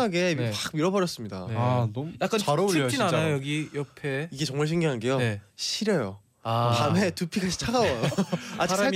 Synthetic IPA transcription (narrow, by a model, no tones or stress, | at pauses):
aɡe̞pak̚miɾʌbʌɾjʌs͈ɯmɲida̰ | jak͈anaɾt͡ɕ͈inanajjojʌɡijʌpʰeiɡe̞t͡ɕʌŋmaɭɕʰiŋɡiɦanɡe̞joneɕʰiɾejo̰ | akame̞tupʰikʰaɕʰi̥t͡ɕʰaɡawʌjoad͡ʑia